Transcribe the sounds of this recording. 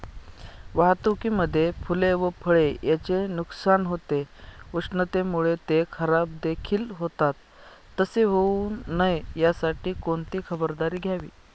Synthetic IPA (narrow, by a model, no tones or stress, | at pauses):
ʋaɦt̪ukiːməd̪ʱːjefʰuleʋəpʰəɭejat͡ɕenuksanɦot̪euʂɳət̪emuɭet̪ekʰəɾab̚d̪ekʰiːlɦot̪at̪ː | əseɦouːnːajjasaʈiːkoɳt̪iːkʰəbəɾd̪aɾiːɡʱjaʋḭː